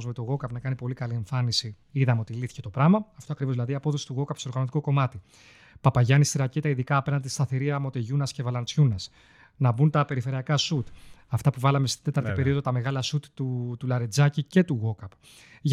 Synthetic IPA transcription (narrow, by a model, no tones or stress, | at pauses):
zme̞t̪o̞ɣo̞kɐpnɐkɐnipo̞likɐlie̞ɱfɐnisi | iðɐmeo̞t̪iliθi̥ce̞t̪o̞pɾɐmɐɐft̪o̞ɐkɾivozðilɐðiɐpo̞ðosi̥t̪uɣo̞kɐpseoɾɣɐnot̪i̥ko̞ko̞mɐt̪i | pɐpɐʝɐnist̪iɾɐcet̪ɐiðikɐːpe̞nɐnd̪est̪ɐθiɾiɐmo̞t̪e̞ʝunɐscevɐlɐnt͡sçunɐs | nɐbunt̪ɐpe̞ɾife̞ɾiɐkɐsut̪ɐft̪ɐpuvɐlɐme̞st̪ind̪e̞t̪ɐɾipe̞ɾio̞ðot̪ɐme̞ɣɐlɐsut̪ut̪ulɐɾed͡zɐcice̞t̪uɣo̞kɐp | ʝ